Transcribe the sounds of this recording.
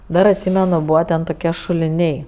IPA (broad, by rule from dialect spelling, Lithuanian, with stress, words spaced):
ˈdɐr ɐtʲˈsʲiːmʲɛnʊ ˈbuːʋɐ tʲɛn toːˈkʲiɛ ʃʊlʲɪˈnʲɛɪ